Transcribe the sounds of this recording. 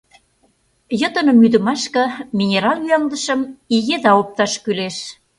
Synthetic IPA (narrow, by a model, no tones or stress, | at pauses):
jə̆t̪ə̆nɤ̆myd̪ə̆mɑʃkɤ̆minʲeɾɑlyɑld̪ə̆ʃə̆miɣed̪ɑop̚t̪ɑʃkyleʃ